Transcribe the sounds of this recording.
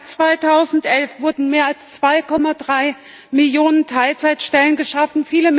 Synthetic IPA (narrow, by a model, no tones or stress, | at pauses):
t͡sv̥aɪtʰaʊzn̩tʔɛlfv̥ʊɐdn̩meːɐalst͡sv̥aɪkʰɔmadʁaɪ | mɪljoːnəntʰaɪlt͡saɪtʃtɛlənɡəʃafn̩fiːləm